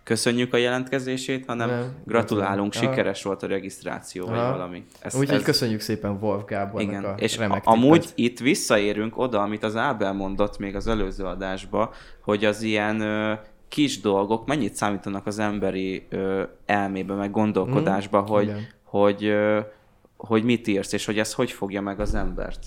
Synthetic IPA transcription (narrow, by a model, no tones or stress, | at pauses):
kø̞sø̞ɲːykɒjɛlɛnt̪kɛzeːʃeːt̪hɒnɛmɡrɒt̪ulaːluŋkʃʃikɛɾɛʃʋo̞lt̪ɒɾɛɡist̪ra̰ːt̪sijoːvɒ̰ɟvɒlɒmi | ɛ̰suozkøsøɲːykseːpɛɱvolvɡaːbiɡɡɛnḛːʃkɒmuːɟit̪ːʋisːɒeːɾyŋko̞d̪ɒɒmit̪ɒzaːbɛlmo̞n̪d̪o̞t̪ːmeːɡɒzɛløːzøːɒd̪aːʒbɒho̞ɟɒzijɛnø | kiʒd̪o̞lɡo̞kmɛɲːit̪saːmiːt̪ɒnɒkɒzɛmbɛɾiøːɛlmeːbɛmɛɡːo̞nd̪o̞lko̞d̪aːʒbɒɦo̞ɟho̞ɟø | hoɟmit̪iːrseːʃho̞ɟɛst̪ho̞cfo̞ɡjɒmɛɡɒzɛmbɛ̰rt̪